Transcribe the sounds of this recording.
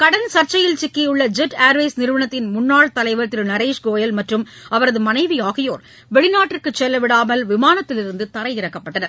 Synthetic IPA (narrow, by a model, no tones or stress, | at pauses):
kɐɽɐnsɐɾt͡ʃːɐjɪlt͡ʃɪkːɐjʊɭːɐd͡ʒɛʈːaːɾʋeːsnɪɾɯʋɐɳɐt̪ːɪnmʊnːaːɭt̪ɐlɐɪʋɐɾt̪ːɪlnɐɾeːʂɡoːjɐlmɐʈrɯm | ɐʋɐɾɐðɯmɐnɐɪʋiaːɣɐjoːɾ | ʋɛɭɪnaːʈːɪrkɯt͡ʃːɛlːɐʋɪɽaːmɐlʋɪmaːnɐt̪ːɪlɪɾɯnd̪ɯt̪ɐɾɐɪɪɾɐkːɐpːɐʈːɐnɐɾ